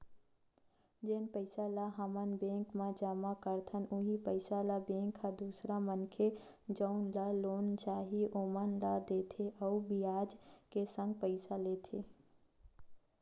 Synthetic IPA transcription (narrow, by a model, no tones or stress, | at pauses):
d͡ʒeːnpəɪsalaɦəmənbẽŋkmãd͡ʒamakəɾt̪ʰənuɦipəɪsalabẽŋkʰːad̪usɾamənkʰe | d͡ʒəʊnlalont͡ʃaːɦiomənlad̪et̪ʰeʔəubijaːd͡ʒkesə̃ŋɡ̚pəɪsalet̪ʰe